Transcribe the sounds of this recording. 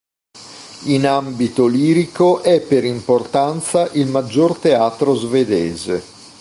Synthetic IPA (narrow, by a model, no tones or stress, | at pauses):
inambit̪oliːɾikoʔɛpːeɾimport̪ant̪saʔilmad͡ʒːort̪eaːt̪ɾozved̪ɛːze